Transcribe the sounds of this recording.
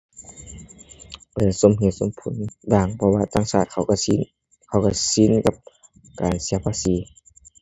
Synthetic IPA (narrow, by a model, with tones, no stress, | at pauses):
lɛː˧˦so˧˨mhi˧˦nso˧˥˨mpʰu˨˩˦nbaː˧˩ŋpʰɔ˧waː˧t̪aː˧˨ŋsaː˧˩t̪̚kʰa˧˩wk | kʰa˧˩wka˧˩si˧˥˨nka˧p̚ | kaː˨nsi˧˦ɐpʰaː˧˥˨siː˨˦